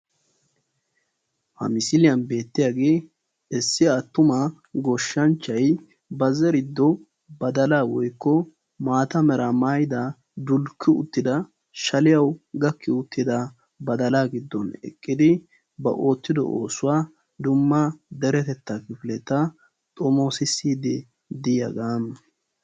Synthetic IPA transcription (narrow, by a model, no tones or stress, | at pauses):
hɐ̰mɪsɪlɪjɐnbe̞ːt̪ːɪjaːɡe̞ː | ɛsːɪɐt̪ːʊmɐ | ɡɔʃːɐnt͡ʃːɐj | bɐzɛɾɪd̪ːɔ | bɐd̪ɐlaːwɔjkːɔ | maːt̪ɐmɛɾɐmaːjɪd̪a | d̪ʊlkʰːɪʊ̰t̪ːɪd̪ɐ | ʃɐlɪjɐwɡɐkːɪʊt̪ːɪd̪ɐ | bɐd̪ɐlaːɡɪd̪ːɔnɛ̰kʼːɪd̪ɪ | bɐ̰ʔo̞ːt̪ːɪd̪ɔ̰ʔo̰ːsʊwaː | d̪ʊmːɐd̪ɛɾɛt̪ɛt̪ːɐkɪfɪlɛt̪ːɐ | t̪ʼɔmo̞ːsɪsːiːd̪ɪ | d̪ɪjɐ̰ɡaːm